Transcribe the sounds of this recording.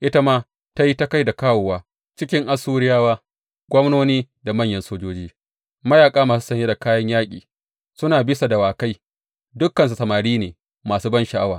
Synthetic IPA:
ʔɪ˦ta˦maː˦ | ta˦ji˦ta˦ka˦jda˨kaː˦woː˨waː˦ | t͡ʃɪ˦kʲɪ˦ŋʔa˦suː˦ɾɪ˦jaː˦waː˦ | ɡʷɔ˦mnoː˦niː˦ | da˨mɐ˦˨ɲjɐ˦nsoː˦d͡ʒoː˦d͡ʒiː˦ | mɐ˦jaː˨kʼaː˦maː˨s̬u̥˦sɐ˨ɲje˦da˨kaː˦jɐ˦ɲjaː˦kʲʼḭː˨ | sʊ˦naː˨bɪ˦sa˨da˨waː˨ka˦j | dʊ˦kːɐ˨ns̬u˨sɐ˨maː˨ɽiː˦neː˨ | maː˨suː˦bɐ˦nʃa˨ʔa˦waː˨

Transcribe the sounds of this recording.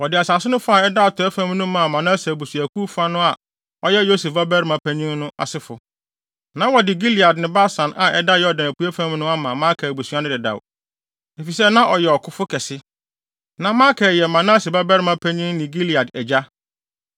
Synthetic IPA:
wɔ˨dɪ˨a˨sa˨sɪ˦nʊ̃˦fʊ˦a˨ɛ˦da˦a˨tʰɔ˨˦ɛ˦fã˦m˦nʊ̃˦mã˨mã˨nã˦sa˨bu˨su˨æ˨kʰu˦fa˦nʊ̃˦a˨ | ɔ˦jɛ˦jo˦sɛ˨fba˦bɛ˦ɾmã˨pʰæ˦ɲĩ˦ŋ˦nʊ̃˦a̰˨sɪ˦fʊ˨ | nã˦wɔ˨dɪ˨ɡi˦li˨a˨dnɪ̃˨ba˦sã˨nʔa˨ʔɛ˦da˦jɔ˦dã˨næ˨ku˦æ˦fã˦m˦nʊ̃˦a˦mã˨mã˦kʰa˨bu˨su˨a˦nʊ̃˦dɪ˨da̰˨w | e˨fi˨sɛ˦nã˦ʔɔ˨jɛ˨ɔ˨kʰʊ˦fʊ˦kʰɛ˨sɪ˦ | nã˨mãː˦kʰɛ˨jɛ˨mã˨nã˦se˨ba˦bɛ˦ɾmã˨˦pʰæ˦ɲĩ˦ŋnɪ̃˨ɡi˦li˨a˨dɛ˨d͡ʑa˦

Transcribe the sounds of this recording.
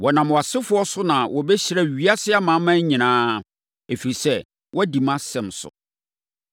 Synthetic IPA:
wɔ˨nã˨mwa˨sɪ˦fʊ˦ɔ˦sʊ˦nã˨wɔ˨bɛ˦ɕi˦ɾa˦ɥi˦a˦sɪ˦a˦mã˨˦mã˦ɲ˦ɲĩ˨nãː˦ | e˨fi˨ɾi˨sɛ˦ | wɔ˦di˨mã˦sɛ̃˨msʊ̰˨

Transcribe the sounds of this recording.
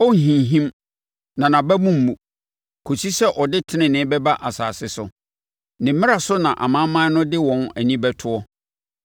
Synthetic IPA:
ɔ˦ŋ̩˨ɦĩ˨ɦĩ˦m | nã˨nã˨bæ˦mũ˦m̩˨mũ˨ | kʰo˨si˦sɛ˦ʔɔ˨dɪ˦tʰɪ˦nɪ̃˨nɪ̃˦bɛ˦ba˦ʔa˨saː˨sɪ˦sʊ˨ | nɪ̃˨m˦mɪ̃˦a˨sʊ˦nã˨ʔa̰˨mã˦mã˦nʊ̃˦dɪ˦wɔ̃˨næ˨nĩ˦bɛ˦tʰʊ˦ɔ˦

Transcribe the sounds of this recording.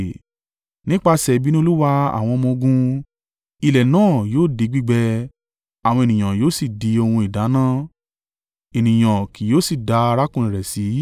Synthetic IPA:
nĩ˦k͡pa˧sɛ˨bi˦nĩ˦o˧˦lu˦wa˧a̰˨w̃ɔ̃˧mɔ̃˧o˧ɡũ˧ | i˧lɛ˨nãː˦˨joː˦˨di˨˧˦ɡ͡bi˦ɡ͡bɛ˧ | a˨w̃ɔ̃˧e˨nĩ˨ã˨joː˦si˨di˨˧o˧hũ˧i˨da˨˦nã˦ | e˨nĩ˨j̃ã˨ki˨joː˨˦si˦˨da˧a˧ɾa˦kũ˦˨ĩ˨ɾɛ˨si˨˦

